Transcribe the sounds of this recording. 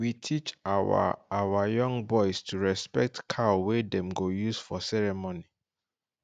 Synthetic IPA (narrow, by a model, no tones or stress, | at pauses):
witʰit͡ʃaa̰awajɔ̃ŋɡbɔɪstʰuɹɛspɛk̚tkʰawedɛ̃mɡojusfɔsɛɹɛmoni